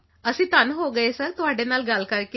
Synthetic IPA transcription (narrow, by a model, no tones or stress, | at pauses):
əsit̪anɦoɡəjesəɾt̪ʋaɖenalɡalkaɾk